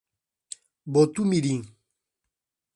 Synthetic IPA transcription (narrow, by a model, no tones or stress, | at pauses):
bot̪umiɾiŋ